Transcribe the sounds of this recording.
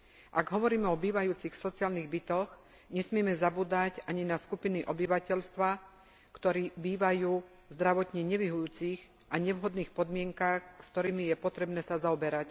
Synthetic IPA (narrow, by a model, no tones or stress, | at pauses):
ʔaɡɦɔʋɔɾiːmɛɔbiːʋajuːt͡sixsɔt͡sɪaːlniɣbit̪ɔx | ɲɛsmɪɛmɛzabuːd̪acaɲinaskupiniʔɔbiʋacɛʎst̪ʋa | kt̪ɔɾiːbiːʋajuː | zd̪ɾaʋɔt̪ɲɛɲɛʋiɦujuːt͡siɣ | ʔaɲɛʋɦɔd̪niːxpɔd̪mɪɛŋkaxst̪ɔɾiːmijɛpɔt̪ɾɛbnɛːsazaɔbɛɾac